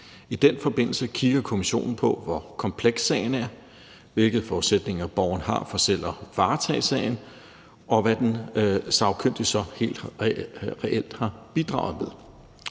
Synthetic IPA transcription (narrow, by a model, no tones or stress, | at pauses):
id̥enfɒ̽b̥e̝n̰l̩səkʰiɡ̥ɐkʰo̝miɕo̝̰ːnn̩pʰɒ̽ʋɒkʰɒ̽mpʰleɡ̥sːɛɪn̩æɐ | ʋe̝lɡ̥ð̩ˠfɒused̥ne̝ŋɐb̥ɒʊɐnɦɑ̈fɒ̽sel̰ɐʋɑ̈ːt͡sʰɛɪsɛɪn̩ | ʔɒ̽ʋæd̥ensɑ̈ʊkʰøn̰d̥isɒ̽he̝̰ːld̥ | ʁɛʔel̰d̥hɑ̈b̥id̥ʁɑ̈ʊð̞̩ˠmeðˠ